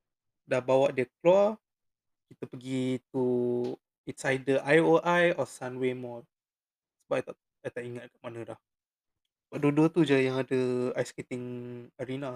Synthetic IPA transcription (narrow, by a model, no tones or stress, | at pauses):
dahbawaʔdiək̚lwa | kit̪əpəɡit̪̚u | insaj̚dəʔajoʔajɔsanwemɔt̪̚ | səbap̚at̪a | at̪aʔiŋat̪̚kaʔ̚manədah | səbaʔ̚duəduət̪ud͡ʒəjãŋadəajskit̪ɪŋaɾina